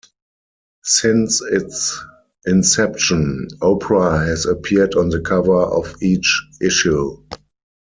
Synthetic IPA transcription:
sɪ̃nsɪts | ʔɪ̃nsɛpʃɔ̃nɔʊpʰəɹahɛzəpʰiədɔ̃nðəkʰavə˞ɔfiːt͡ʃʔɪʃu

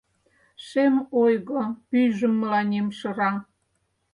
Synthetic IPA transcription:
ʃemojɣopyʒə̆mːəlɑnʲemʃə̆ɾɑ

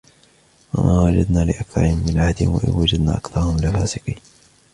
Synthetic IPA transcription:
wamʔaːwad͡ʒad̪naːlɪʔakθɑ̰ɾˤhɪmːɪnʕahd̪ɪnwa̰ʔɪ̰nwad͡ʒad̪na̰ːʔakθɑɾˤhʊmlafaːsɪqiː

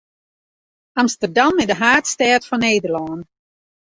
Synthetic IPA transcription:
amstərdamɪdəɦaːtstɛətfɔneːdərlɔːn

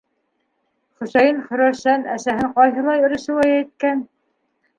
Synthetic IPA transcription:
χɵ̆sæjɤnχɵ̆ɾæʃænæsæɦɘɴqɑjɦɤ̆lˠɑjɵ̆ɾɘ̆ʃɘ̆wæjæjt̪̚kæn

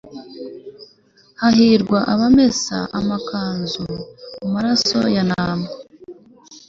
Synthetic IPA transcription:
hahiɾɡwaʔaβame̞sa̰ʔamakaːnzumumaɾaso̞̰janaːma

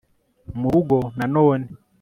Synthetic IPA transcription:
muɾuɡɔnanɔːni

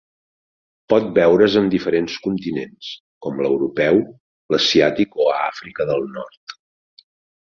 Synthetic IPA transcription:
pɔt̪̚bɛwɾəzəmd̪ifəɾenskunt̪inens | kɔmləwɾupɛw | ləsiat̪ikoa̰fɾikəðəlˠnɔrt̪

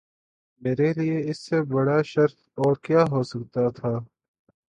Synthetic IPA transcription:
meːɾelieɪsːebɐɽaʃɐɾt̪ | ɔːɾkjaːɦoːsɐk̚t̪at̪ʰaː

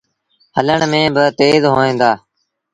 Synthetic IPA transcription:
ɦələɳmẽːbɪt̪eːzɦoːẽːnd̪aː

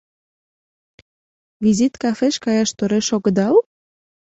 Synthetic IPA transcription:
vizit̪kɑfeʃkɑjɑʃt̪oɾeʃoɣəd̪ɑw

